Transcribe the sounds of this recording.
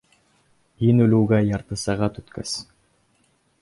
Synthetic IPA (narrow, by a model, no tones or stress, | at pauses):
inɵluːɡæjɑɾt̪ɯsɑʁɑt̪ɵt̪kæs